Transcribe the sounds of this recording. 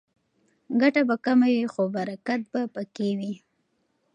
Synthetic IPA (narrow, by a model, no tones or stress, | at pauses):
ɡaʈabakamawixobaɾakat̪̚bapəkewi